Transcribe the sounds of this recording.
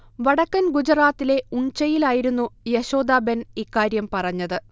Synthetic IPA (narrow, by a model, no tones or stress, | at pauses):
ʋɐɽɐkːɐnɡud͡ʑɐraːt̪ːile̞uɲt͡ɕɐjilaːjiɾunːujeɕo̞ːd̪aːbɐnikːaːɾjɐmpɐrɐɲːɐðɨ